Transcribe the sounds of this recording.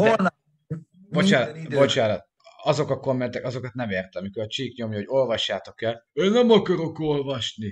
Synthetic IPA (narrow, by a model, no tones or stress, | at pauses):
n | bo̞t͡ʃaːnbo̞t͡ʃaːnɒt̪̚ | ɒzo̞kɒko̞mːɛnt̪ɛkɒzo̞kɒt̪̚nɛmeːrt̪ɛɒmikoɾɒt͡ʃiːkɲo̞mjɒɦoɟo̞lvɒʃːaːt̪o̞kɛleːnːɛmɒkɒɾo̞ko̞lvɒʃni